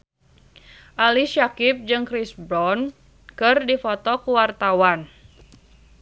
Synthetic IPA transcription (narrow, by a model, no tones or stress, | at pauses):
ʔaliʃakɪp̚d͡ʒɨŋkɾisbɾɔn | kɨrdifɔt̪ɔkuwart̪awan